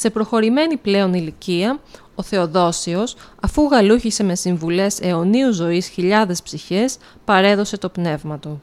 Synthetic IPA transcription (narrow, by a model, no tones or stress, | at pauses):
se̞pɾo̞xo̞ɾime̞niple̞o̞niliciɐ | o̞θe̞o̞ðo̞sio̞sɐfuɣɐluçise̞me̞siɱvule̞se̞o̞niuzo̞isçiʎɐðe̞spsiçe̞s | pɐɾe̞ðo̞se̞t̪o̞pne̞vmɐt̪u